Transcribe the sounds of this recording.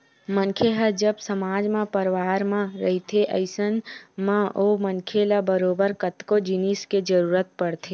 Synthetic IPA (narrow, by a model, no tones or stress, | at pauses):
mənkʰeɦəd͡ʒəbsəmaːd͡ʒmẽpəɾwaːɾmãɾəɦit̪ʰeʔə̰ɪsənmãʔoːmənkʰelabəɾoːbəɾkət̪kod͡ʒinisked͡ʒəɾuːɾət̪̚pəɽt̪ʰe